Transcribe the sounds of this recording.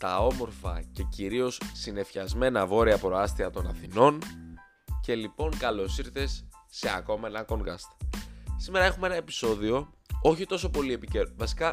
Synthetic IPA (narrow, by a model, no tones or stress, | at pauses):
t̪ɐo̞mo̞ɾfɐ̰ce̞ciɾio̞ssine̞fçɐzme̞nɐvo̞ɾiɐpɾo̞ɐst̪iɐt̪o̞nɐθino̞n | ce̞lipo̞ŋkɐlo̞siɾθe̞sːe̞ɐko̞menɐko̞ŋɡɐst̪sime̞ɾɐe̞xumee̞nɐe̞pi̥so̞ðio̞o̞çit̪o̞so̞po̞lie̞piceɾvɐsi̥kɐ